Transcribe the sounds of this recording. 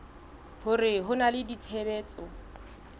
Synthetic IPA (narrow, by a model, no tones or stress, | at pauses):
hʊrɪɦʊnalɪdit͡sʰɛbɛːt͡sʼɔ